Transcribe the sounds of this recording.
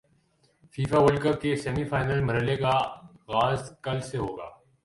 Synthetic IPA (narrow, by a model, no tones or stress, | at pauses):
fiːfaʋəlkəp̚kesɛːmifaːɪnəlbʱɐɾəlekaɣaːzkɐlseɦoːɡa̰ː